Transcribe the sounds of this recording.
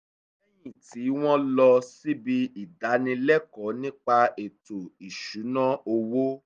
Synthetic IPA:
ɛ˦jĩ˦˨ti˨˦w̃ɔ̃˦lɔ˧si˦bi˧i˨da˨˦nĩ˧lɛ˦kɔ˨˦nĩ˦k͡pa˧e˨to˨i˨ʃu˨˦nã˦o˧wo˦

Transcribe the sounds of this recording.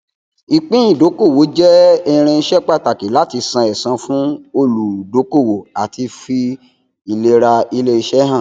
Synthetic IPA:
i˨k͡pĩ˦ĩ˦˨do˨˦ko˦˨wo˨˦d͡ʒɛ˦ɛ˦˧ɾ̃ɛ̃˧˦ʃɛ˦k͡pa˦˨ta˨ki˨˦la˦ti˧sã˧ɛ˨sã˧fũ˦o˧lu˨do˨˦ko˦˨wo˨a˨ti˧fi˧ | i˨le˧ɾa˧i˧le˦i˧ʃɛ˦ɦã˦˨

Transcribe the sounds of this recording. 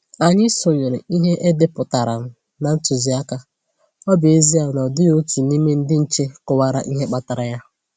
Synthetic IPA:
a˨ɲɪ˦sʊ˨ɲe˨ɾɪ˨i˦ɦe˦ʔe˦dɪ˦pʊ˨ta˨ɾa̰˨m̩˦ | na˨n̩˦tʊ˨zi˨a˦ka˨ | ɔ˦bje˦zi˦a˨nɔ˨dɪ˦o˦tu˨ni˦me˦n̩˦dɪ˦n̩˨t͡ʃe˦kʊ˨wa˦ɾa˦ʔi˦ɦe˦k͡pa˦ta˨ɾa˨ja˦

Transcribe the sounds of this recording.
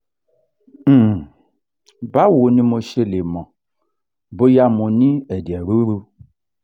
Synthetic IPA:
ba˦wo˨nĩ˦mo˧ʃe˧le˨mɔ̃˨ | bo˦ja˧mũ˨nĩ˦ɛ˨di˨ɛ˨ɾu˦ɾu˧

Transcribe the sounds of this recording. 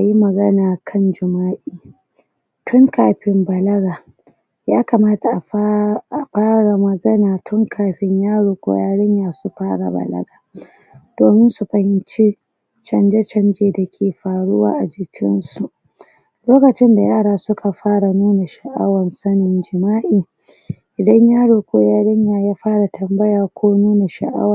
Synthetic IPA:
ʔa˨ji˦mɐ˨ɡɐ˦naː˨kʰɐ˦nd͡ʒɪ˨maː˦ʔiː˨ | tʰʊ˦ŋkaː˨ɸɪ˦mbɐ˨lɐ˦ɡaː˨ | jaː˦kɐ˨maː˦ta˨ʔa˨ʔa˨ɸaː˦ɽa˨mɐ˨ɡɐ˦naː˨tʰʊ˦ŋkʰaː˨ɸɪ˦ɲjaː˦ɽuː˨kʷʼʊ̰˨jaː˦ɽɪ˦ɲjaː˨su˨ɸaː˦ɽa̰˨bɐ̰˨lɐ̰˦ɡaː˨ | d̥oː˨mɪ˦nsu˨ɸɐ˨hɪ˦nt͡ʃi˦ | t͡ʃɐ˨nd͡ʒe˦t͡ʃɐ˦nd͡ʒeː˨da˨kʲʰeː˨ɸaː˨ɽʊ˦wa̰ː˦ʔa˨d͡ʒɪ˨kʲʰɪ̰˦nsu˨ | loː˦kɐ˨t͡ʃɪ˦nda˨jaː˦ɽaː˦sʊ˦kʰa˨ɸaː˦ɽa˨nuː˦na˨ʃa˨ʔa̰˦wɐ˨nsɐ˦nɪ˨nd͡ʒɪ˨maː˦ʔiː˨ | ʔɪ˨dɐ˦ɲjaː˦ɽoː˨kʷoː˦jaː˦ɽɪ˦ɲjaː˨jaː˦ɸaː˦ɽa˨tʰɐ˨mbɐ˦jaː˨kʷʰoː˦nuː˦na˨ʃa̰˨ʔa̰˦wa˨

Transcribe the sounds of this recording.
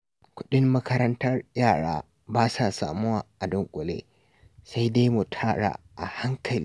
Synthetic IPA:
kʷʊ˦ɗɪ˦mːɐ˦kɐ˦ɾɐ˦ntɐ˦rjaː˦˨ɽa̰ː˦ | baː˦saː˨saː˨mʊ˦waː˨ʔa˨dʊ˨ŋkʷʼʊ˨lḛː˦ | sa˦jde˦jmu˨tʰaː˦ɽa̰ː˨ | ʔa˨ha˦ŋkʰɐ˨li˦

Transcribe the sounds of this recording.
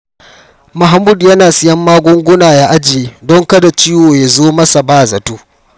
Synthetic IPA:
ma˨ɦa˨mu˦djɐ˦naː˨sɪ˦jɐ˦mːaː˦ɡʷʊ˦ŋɡʷʊ˦naː˨ja˦ʔa˦d͡ʒɪ˨jeː˦dɔ˦ŋkɐ˦da˨t͡ʃiː˦woː˨ja˨zoː˦mɐ˦sa˨baː˦˨zɐ˨tuː˦

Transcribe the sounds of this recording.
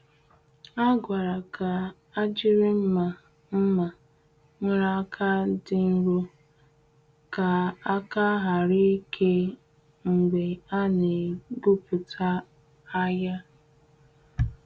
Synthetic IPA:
a˦ɡʷa˨ɾa˨kʰa˨ | a˦d͡ʒɪ˦ɾɪ˦m̩˦ma˨ | m̩˦ma˨ | ŋʷe˦ɾa˦a˦kʰa˦dɪ˦n̩˦ɾu˦ | ka˨a˦ka˦ɦa˨ɾi˦kʰe˦ | ŋ̩˨ɡ͡be˨a˦ne˨ɡu˦pʊ˨tʰa˦ | a˦ja˦

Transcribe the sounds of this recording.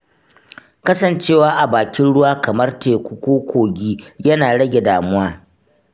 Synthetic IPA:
kɐ˦sɐ˨nt͡ʃeː˦˨waː˦ʔa˨baː˨kʲɪ˦nɽʊ˦waː˦kɐ˨mɐ˦rteː˨kʷu˦kʷoː˦kʷoː˨ɡʲiː˦jɐ˦naː˨ɽɐ˦ɡʲe˨daː˨mʊ˦waː˦

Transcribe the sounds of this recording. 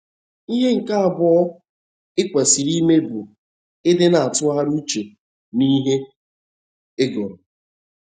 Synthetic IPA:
i˦ɦe˦ŋ̩˨ka˦a˨bʊ˦ɔ˦ | ɪ˦kʷe˨si˨ɾi˦me˦bʊ˨ | ɪ˦dɪ˦na˨a˨tʊ˦a˦ɾu˦t͡ʃe˨ | ni˦ɦe˦ | e˦ɡɔ˨ɾʊ˨

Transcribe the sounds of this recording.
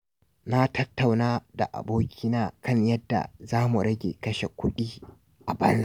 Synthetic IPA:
na˦tʰɐ˦tːa˨wnaː˦da̰˨ʔa̰˨boː˦kʲi˦naː˦kɐ˦ɲjɐ˦dːa̰˨zaː˦mu˨ɽɐ˦ɡʲḛː˨kɐ˦ʃe˨kʷʊ˦ɗiː˦ | ʔa˨bɐ˦nz

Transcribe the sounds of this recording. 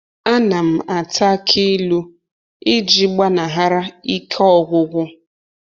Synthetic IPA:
a˦na˨m̩˨a˨tʰa˦kʰi˦lu˦ | ɪ˦d͡ʒi˨ɡ͡ba˦na˨ɦa˦ɾa˦i˦kʰɔ˦ɣʷʊ˦ɣʷʊ˦

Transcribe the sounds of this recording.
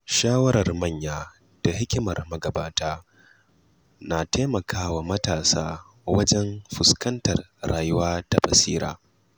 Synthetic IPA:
ʃaː˦wɐ˦ɾɐ˨rmɐ˦˨ɲjaː˦ | d̥a˨ɦɪ˦kʲɪ˦mɐ˨rmɐ˦ɡɐ˨baː˦taː˦ | naː˨teː˦mɐ˨kʰaː˦waː˨mɐ˦taː˨saː˦ | wɐ˦d͡ʒɛ˦mɸʊ˨skɐ˦ntɐ˨r | ɽaː˨jʊ˦waː˦tɐ˨bɐ˨siː˦ɾa̰ː˦

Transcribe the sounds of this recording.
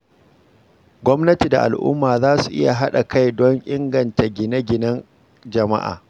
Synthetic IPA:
ɡʷɔ˦mnɐ˦ti˨da˨ʔa̰˨lʔʊ̰˦mːaː˨zaː˦su˨ʔɪ˦ja˨ɦa˦ɗa˨ka˦jdɔ˦ŋʔʲɪ˦ŋɡɐ˨nta˨ɡʲɪ˨nɐ˦ɡʲɪ˨nɐ˦n | d͡ʒɐ˨ma̰˦ʔa̰ː˨

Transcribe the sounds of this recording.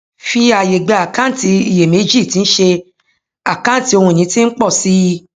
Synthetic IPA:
fi˦a˧je˨ɡ͡ba˨˧a˨kã˦n˦˨ti˧i˨je˨me˨˦d͡ʒi˦˨tĩ˨˧˦n̩˦ʃe˧ | a˨kã˦˨ti˧˦o˧hũ˧˨ĩ˨˦tĩ˦n̩˦k͡pɔ˦˨si˦

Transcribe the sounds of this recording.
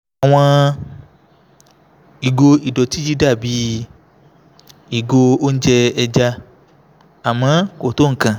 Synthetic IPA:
a˨w̃ɔ̃˧ | i˨ɡo˧i˨dɔ˨ti˦d͡ʒi˦da˦˨bi˨˦ | i˨ɡo˧o˦n̩˦d͡ʒɛ˧ɛ˧d͡ʒa˧ | a˨mã˨˦ko˦˨to˨˦ŋ̩˦˨kã˨

